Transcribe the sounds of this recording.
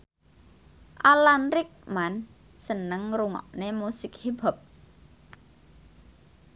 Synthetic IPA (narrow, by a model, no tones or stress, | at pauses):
ʔalanɾɪk̚man | sənəŋɾuŋɔ̰ʔnemusɪk̚hib̥a̤p̚